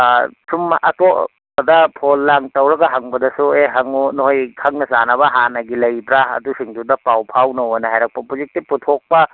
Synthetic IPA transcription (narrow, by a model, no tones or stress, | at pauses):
sumɐ̰ʔɐtoʔ | ɐdɐpʰolːaŋtɐwɾɐɡɐɦɐŋbɐdɐsueɦɐŋunoɦojkʰɐŋnɐzanɐbɐɦanɐɡilɐjbɾaɐ̰dusiŋdudɐpawpʰawnowɐnɐɦajɾɐk̚pɐpuzik̚tiputʰok̚pɐ